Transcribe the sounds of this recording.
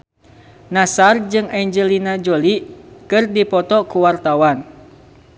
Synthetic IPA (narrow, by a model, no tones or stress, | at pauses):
nasard͡ʒɨŋaɲd͡ʒəlinad͡ʒolikɨrdipɔt̪ɔkuwart̪awan